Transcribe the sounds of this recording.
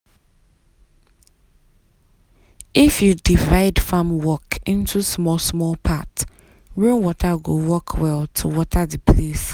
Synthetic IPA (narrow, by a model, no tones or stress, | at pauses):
ifjudivaɪdfãmwɔkĩntʰusmɔlsmɔlpʰat | ɹũnwɔtʰaɡowɔkʰwɛltʰuwɔtʰadipʰles